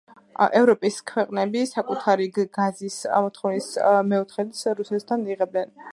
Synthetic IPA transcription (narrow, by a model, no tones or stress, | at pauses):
ʔɛvɾɔpʼiskʰwɛqʼnɛbisakʼut̪ʰaɾiɡ̥azismɔt̪ʰχɔvnismɛɔt̪ʰχɛt̪sɾusɛt̪ʰt̪ʰaniʁɛbɛn